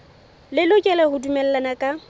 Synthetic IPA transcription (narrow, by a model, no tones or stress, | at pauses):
lɪlʊkʼɛlɛhʊdumɛl̩lanakʼa